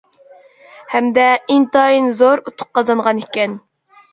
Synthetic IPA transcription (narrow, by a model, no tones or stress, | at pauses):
hɛmd̪ɛint̪ɑjinzoɾut̪ʰʊ̥q̚qːɑzɑnɴʁɑnikʲɛn